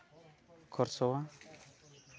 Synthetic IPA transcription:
kʰɔɾsɔwa

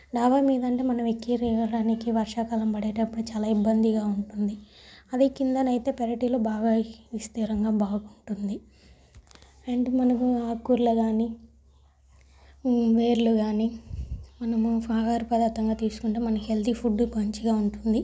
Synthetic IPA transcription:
ɖaːʋaːmiːd̪ɐɳʈe̞ːmɐnɐʋekːiɾiːʋɐɽaːnikiʋɐɾʂaːkalɐmpɐɽeːʈɐpːuɽut͡ʃaːlaːibːɐnd̪iɡaːuɳʈund̪i | ɐd̪ikind̪ɐnɐjit̪e̞ːpeɾɐʈiːlo̞ːbaːɡaist̪iːɾɐŋɡaːbaːɡkuɳʈund̪i | ɐɳʈimɐnɐkuaːkːuɾlɐɡaːni | ʋeːɾluɡaːnimɐnɐmupʰaːɡaːɾupɐd̪ɐt̪ːɐŋɡaːt̪iːsu̥kuɳʈeːmɐnɐmɦe̞ld̪ipʰuɖːpɐɲt͡ʃiɡaːuɳʈund̪i

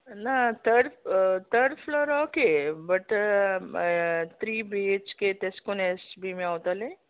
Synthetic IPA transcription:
nat̪ʰəɖt̪əɖflɔɾɔːkebɐʈ | t̪ʰɾiːbit͡ʃket̪eskonesbʱimẽoːt̪ale

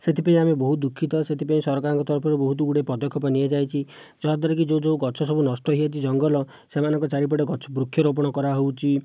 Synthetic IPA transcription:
set̪ipaĩamebɔɦut̪̚d̪ukʰːit̪ɔset̪ipaĩsɔɾɔkaɾɔŋkɔt̪ɔɾpʰɔɾebɔɦut̪̬uuɽepɔd̪ɔkʰːɔpɔniad͡ʒajt͡ʃʰi | d͡ʒɔɦad̪ɔɾek̬id͡ʒod͡ʒoɡɔt͡ʃʰɔsɔbunɔsʈɔɦiat͡ʃʰid͡ʒɔŋɡɔlɔ | semanɔŋkɔt͡ʃaɾip̬ɔɽeɡɔt͡ʃʰɔbɾukʰːjɔɾop̬ɔɽ̃ɔkɔɾaɦowt͡ʃʰi

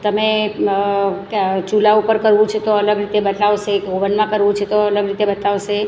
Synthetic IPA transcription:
t̪əme | t͡ʃulaupəɾkəɾʋũt͡ʃʰet̪oələɡɾit̪ebət̪aʋʃeoʋənmãkəɾʋũt͡ʃʰet̪oələɡɾit̪ebət̪aʋʃe

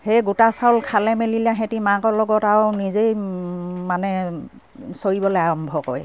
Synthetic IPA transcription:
hejɡutasawlkʰalɛmelilaɦetimakɔlɔɡɔtaɹnizej | manɛ | soɹibɔlɔaɹɔmbʱɔkɔ̰j

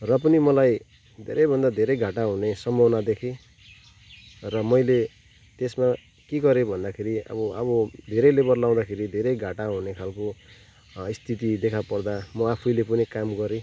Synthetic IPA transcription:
rʌp̬ʌnimʌlaj | d̪ʱeɾʌjbʱʌnd̪ad̪ʱeɾʌjɡʱaʈaɦunesʌmʌwnad̪ekʰe | rʌmʌjle | t̪esma | kiɡʌɾebʱʌnd̪akʰeɾiʌ̰bʌʌbʌd̪ʱeɾʌjlebʌrlaw̃d̪akʰeɾid̪ʱeɾʌjɡʱaʈaɦunekʰalko | ist̪ʰit̪̬id̪ekʰapʌrd̪amʌapʰujlep̬ʌnikamɡʌɾe

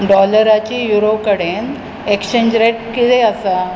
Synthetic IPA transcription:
ɖɔləɾat͡ɕijuɾokəɽen | ekɕẽɲd͡ʑɾeʈkit̪eəsa

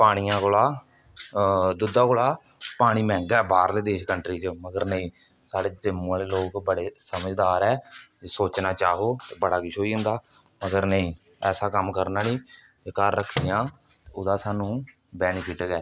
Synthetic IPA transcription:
paːɽ̃ijãːkoːlaː | d̪ʊd̪aːkoːlaː | paːɽ̃iːmɛ̃ːŋɡaɛːbaːɾleːd̪eːʃkəɳʈɾiːt͡ʃməɡəɾnəĩː | saːɽeːd͡ʒəmːaːleːloːkbəɽeːsəməd͡ʒd̪aːɾɛːd͡ʒeːsoːt͡ʃnaːt͡ʃaːɦoːt̪eːbəɽaːkɪʃoːiːɦʊ̃nd̪aː | məɡəɾnəĩː | ɛːsaːkəmkəɾnaːliː | d͡ʒkəɾːəkʰːijãː | t̪eːʊd̪aːsaːnũː | bɛːnkʰɪʈɡɛː

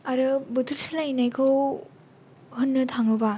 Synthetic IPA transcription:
aɾɯbɯtʰɯɾsilainajkʰɯw | hɯnːɯtʰaŋɯba

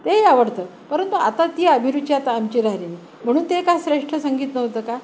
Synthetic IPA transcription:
t̪ejaʋəɽt̪əːpəɾənt̪uat̪at̪iːəbʱiɾud̪̚t͡ɕiat̪aːmt͡ɕiɾaɦɾini | m̤əɽ̃uːnt̪ekasɾeʂʈʰəsəŋɡiːt̪nəɦt̪əːka

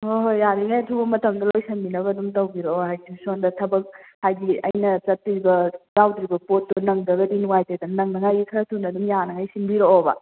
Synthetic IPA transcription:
oɦojːaɾiŋajɐtʰubɐmɐtʰɐŋdɐlojsɐmbinɐbɐdumtɐwbiɾooɦajtʰisondɐtʰɐbɐk̚hajɡiɐjnɐt͡ʃɐtːiɾibɐzawdɾibɐpotːunɐŋdɐɡɐdinuwajtedɐnnɐŋnɐŋajɡikʰɐɾɐtʰunɐdumjanɐŋajsinbiɾoobɐ̰

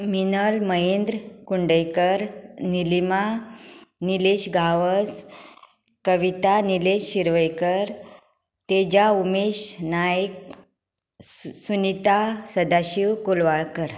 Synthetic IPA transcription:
minəlməɦend̪ɾkuɳɖəjkəɾnilima | nileɕɡʱaʋəs | kəʋit̪anileɕːiɾʋəjkəɾ | t̪ed͡ʑaumeɕnajk̚ | sunit̪asəd̪aɕiwkolʋaɭkəɾ

